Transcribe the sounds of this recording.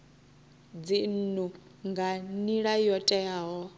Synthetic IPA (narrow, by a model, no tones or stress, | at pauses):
d͡zin̩nu | ŋɡaniɺajɔtʼɛaɦɔ